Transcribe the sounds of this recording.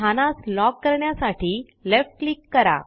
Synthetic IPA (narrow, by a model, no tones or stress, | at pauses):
anaslɔkːəɾɳjasaʈʰiː | lefʈ̚klikːəɾa̰